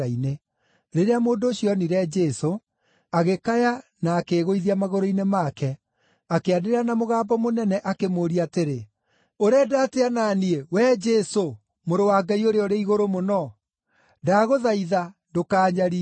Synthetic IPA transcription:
aine | ɾeɾeamoːndoːɕiɔniɾɛd͡ʒɛso | aɣekajanaːkeːɣoiðiamaɣoɾoinemakɛ | akeadeɾeanamoɣaːbɔmonɛnɛʔakemoːɾiateɾe | oɾɛdaːteanaːniewɛd͡ʒɛso | moɾowaːɡaioɾeɔɾeiɣoɾomonɔ | daːɣoðaiðandokaːɲaɾi

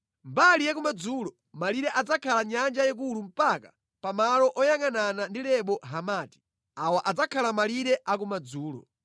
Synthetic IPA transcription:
mbalijakumad͡zuːlɔ | maliɾɛʔad͡zakʰalaɲand͡ʒajɛk̬ulum̩paka | pamalɔʔɔjaŋananandilɛɓɔɦamaːti̥ | awaʔad͡zakʰalamaliɾɛʔak̬umad͡zuːlɔ̰

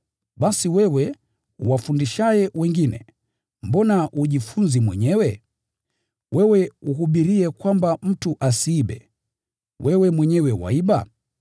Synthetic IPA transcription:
ɓasiwɛwɛ | uwafundiʃajɛwɛŋɡinɛ̰ | mbɔnaʔuʄifunzimwɛɲɛwɛ | wʔɛwɛuɦuɓiɾiɛkwambam̩tuʔasiːɓɛ̰ | wʔɛwɛmwɛɲɛwɛwa̰iɓa

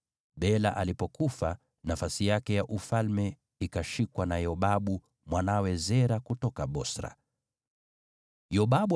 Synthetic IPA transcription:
ɓɛlaʔalipɔkufa | nafasijakɛjaʔufalmɛ | ikaʃikwanajɔɓaɓu | mwanawɛzɛɾakutɔkaɓɔsɾa̰ | jɔɓaɓu

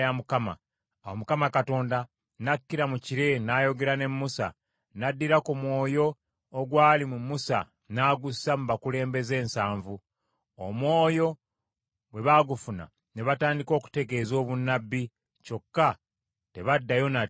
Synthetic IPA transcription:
jamukama̰ | awomukamakato̞ːnda | nakːiɾamuciɾe̞naːjo̞ɡe̞ɾane̞mːusa̰ | nadːiɾakumwo̞ːjo̞ː | ɡwaːlimumusa̰ | naːɡusamumakule̞ːmbe̞ze̞ːnsaːɱvu | omwo̞ːjo̞ | ɡwe̞βaɡufuna̰ | ne̞βataːndiko̞ːku̥te̞ɡe̞zo̞ːβunːabːi | t͡ʃo̞kːa | te̞βadːajo̞na

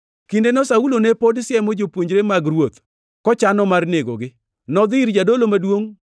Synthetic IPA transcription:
kindenɔsaulonepodsjɛmɔd͡ʒopwoɲd͡ʒɾemaɡɾwot̪ | kɔt͡ʃanɔmarneɡo̰ɡɪ | nɔd̪ɪɾd͡ʒadolomadwoŋ

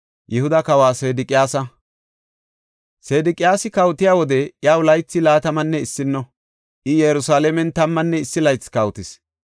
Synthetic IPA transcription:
jɛhʊd̪ɐkɐwaːse̞ːd̪ɪkʼɪjaːsɐ | seːd̪ɪkʼɪjaːsɪkɐwt̪ɪjaːwɔd̪ɛʔjaːwlɐjt͡sːɪlaːt̪ɐmɐnːɛɪsːɪnːɔ | ʔɪjɛjɾʊsaːlemɛnt̪ɐmːɐnːɛɪsːɪlɐjt͡sːkɐwt̪ɪs

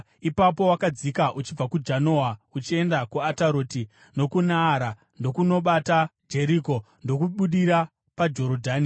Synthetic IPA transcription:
ipapo̞wakad͡zikaʔut͡ʃib͡vakud͡ʒanowaut͡ʃie̞ndakuataɾo̞ːti | no̞kunaːɾa | ndo̞kuno̞ɓatad͡ʒe̞ɾiko̞ | ndo̞kuɓuɗiɾa | pad͡ʒo̞ɾodʱaːni

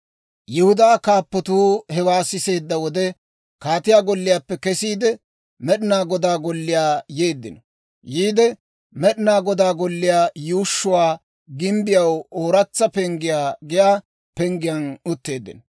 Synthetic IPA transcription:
jɛhʊd̪aːkaːpːɔt̪uːhɛwaːsɪse̞ːd̪ːɐwɔd̪ɛ | kaːt̪ɪjaːɡɔlːɪjaːpːɛkɛsiːd̪ɛ | mɛɗɪnaːɡɔd̪aːɡɔlːɪjaːjeːd̪ːɪnɔ | jiːd̪ɛ | mɛɗɪnaːɡɔd̪aːɡɔlːɪjaːjuːʃːʊwaː | ɡɪmbɪjɐwoːɾɐt͡sːɐpɛŋɡɪjaːɡɪjaː | pɛŋɡɪjɐnʊt̪ːe̞ːd̪ːɪ̰nɔ

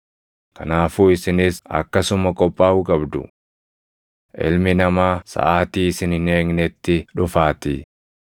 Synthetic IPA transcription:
kɐnaːfuːɪsɪnɪsɐ̰kːɐsʊmɐkʼɔpʼːaːʔʊkʼɐbd̪ʊ̰ | ʔɪ̰lmɪnɐmaːsɐ̰ʔaːt̪iːɪsɪnɪneːŋnɛt̪ːɪᶑʊfaːt̪ɪ

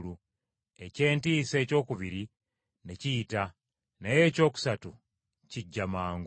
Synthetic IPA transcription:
lu | e̞ce̞ːntiːse̞ːco̞ːkuβiɾi | neciːta | naje̞ːco̞ːku̥satu | ciɟːamaːŋɡ

